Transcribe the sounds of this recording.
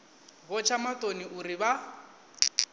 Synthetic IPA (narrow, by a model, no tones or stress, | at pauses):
βɔt͡ʃʰamatoniuɾiβa